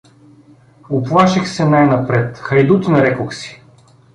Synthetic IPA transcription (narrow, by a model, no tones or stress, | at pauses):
ʊplˠaʃixsɛnajnɐpɾɛt̪xɐjd̪ut̪inɐɾɛkoxsi̥